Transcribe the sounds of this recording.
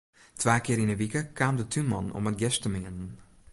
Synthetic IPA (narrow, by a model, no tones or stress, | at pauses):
tʰʋaːkɪːɾinəʋikəkʰaːmdətʰymɑ̰nɔ̰mət̚ɡɛstəmɪŋənən